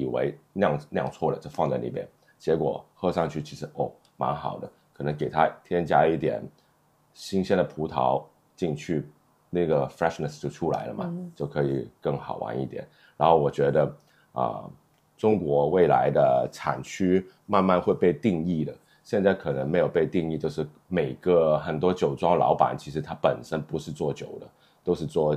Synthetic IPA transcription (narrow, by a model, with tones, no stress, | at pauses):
i˨˩wḛ˧˥ɪnjɑ˥˧ŋnjɑ˥˧ŋt͡sʰwɔ˥˩lə̰˩t͡ɕɤ˥˧fɑ˥˧ŋt͡sa˥˩ɪnḭ˨˩pjɛ̰˥n | t͡ɕjɛ˧˥kwɔ̰˨˩xɤ˥˧ʂɑ˥˧ŋt͡ɕʰy˥˩t͡ɕʰi˧˥ʂ̩˧˥ʔo˥˩ʊ | ma̰˧˥nxɑ˨˩ʊd̪ə˦kʰɤ˨˩nɤ˧˥ŋke˨˩ɪt̪ʰa˥t̪ʰjɛ˥nt͡ɕja˥i˥˩t̪jɛ̰˨˩n | ɕi˥ŋɕjɛ˥nd̪ə˨˩pʰu˧˥t̪ʰɑ˧˥ʊ | t͡ɕi˥˧ŋt͡ɕʰy˥˩ | na˥˩ɡə˩fɹɛ˥˩ʂnə˨˩st͡ɕjo˥˧ʊʈ͡ʂʰu˥la̰˧˥ɪlə˧mɐ̰˨t͡ɕjo˥˩ʊkʰɤ˧˥i˨˩kɤ˥˩ŋxɑ˨˩ʊwa̰˧˥nḭ˥˩t̪jɛ̰˨˩˦n | ɻa˧˥nxo˥˩ʊwɔ˨˩t͡ɕɥɛ˧˥d̪ə˧ | ə̰˧˩ | ʈ͡ʂʊ˥ŋkwɔ˧˥we˥˩ɪla̰˧˥ɪd̪ə˧ʈ͡ʂʰa̰˨˩nt͡ɕʰy˥ | ma˥˧nma˥˧nxwe˥˧ɪpe˥˧ɪt̪i˥˧ŋi˥˩d̪ə˩ | ɕjɛ˥˧nt͡sa˥˩ɪkʰɤ˨˩nə˧˥ŋme˧˥ɪjo˨˩ʊpe˥˧ɪt̪i˥˧ŋi˥˧t͡ɕjʊʂɻ̩˥˩ | me˨˩ɪɡə˦xə˨˩nt̪̬wɔ˥t͡ɕjo˨˩ʊʈ͡ʂwɑ˥ŋlɑ̰˧˥ʊpa̰˨˩˦nt͡ɕʰi˧˥ʂ̬ɻ̩˧˥t̪ʰa˥pə˨˩nʂə˥npu˧˥ʂɻ̩˥˧t͡swɔ˥˩t͡ɕjo˨˩ʊd̪ə˦ | t̪o˥ʊʂɻ̩˥˧t͡swɔ˥˩